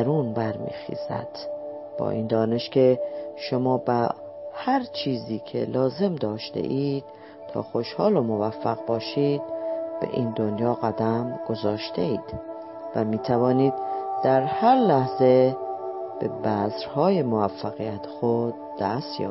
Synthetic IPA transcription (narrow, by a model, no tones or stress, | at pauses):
ɾuːnbæɾmḭːxḭːzæ̰d̪̥ | b̥ɒ̰ːʔiːnd̪ɒːne̞ʃcʰe̞ʃomɒːbæ | hæɾt͡ʃʰiːziːcʰḛlɒːze̞md̪ɒːʃt̪ḛʔiːd̪̥ | t̪ʰɒ̰ːxoʃhɒːlomovæfːæɣbɒːʃiːd̪̥̚b̥ḛʔiːnd̪onjɒːɣæd̪æmɡ̥o̞zɒːʃt̪ʰeiːd̪̥ | væmiːt̪ʰævɒːniːd̪̥̚d̪̥æɾhæɾlæhze̞ | b̥ebæzɾhɒːje̞movæfːæɣijæt̪ʰe̥xod̪̥ːæst̪jɒ̰ː